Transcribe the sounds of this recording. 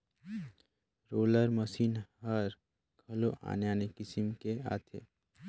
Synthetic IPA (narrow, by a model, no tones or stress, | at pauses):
ɾoːləɾməsiːnɦəɾ | kʰɐloʔa̰ːnejaːnekɪsɪmkea̰ːt̪ʰḛː